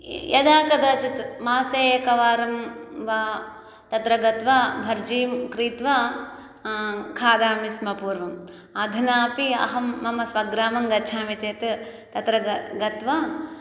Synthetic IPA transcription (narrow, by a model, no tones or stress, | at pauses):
jɐd̪aːkɐd̪ɐt͡ʃut̪maːseːjɐkɐʋaːɾɐmʋaː | t̪ɐt̪ɾɐɡɐt̪ʋabʱɐɾd͡ʒiːmkɾiːt̪ʋa | kʰaːd̪aːmismɐpuːɾʋɐm | ɐd̪ʱinaːpiɐ̰ɦɐmːɐmɐsʋɐɡɾaːmɐŋɡɐt͡ʃʰaːmit͡ʃeːt̪t̪ɐt̪ɾɐɡɐt̪ʋa